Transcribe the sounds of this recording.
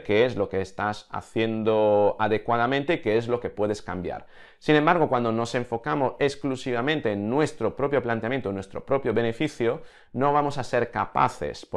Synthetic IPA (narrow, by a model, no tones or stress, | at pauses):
keezlo̞ke̞ːst̪asa̰θje̞nd̪oaðekwað̞amẽnt̪e̞ikeezlo̞ke̞pwe̞ð̞e̞ska̰mbja̰ɾ | sinẽmbaɾɣokwand̪ono̞se̞ɱfo̞kamosesklusiβ̞amẽnt̪e̞ːnːwe̞st̪ɾopɾo̞pjo̞plant̪eamjent̪onwe̞st̪ɾopɾo̞pjoβe̞ne̞fiθjo | noβ̞amosaseɾkapa̰θḛsp